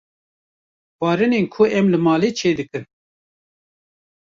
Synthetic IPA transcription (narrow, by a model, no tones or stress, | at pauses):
xɑːɾɨneːnkʰʊɛmlɨmɑːleːt͡ʃʰeːd̪ɨkɨn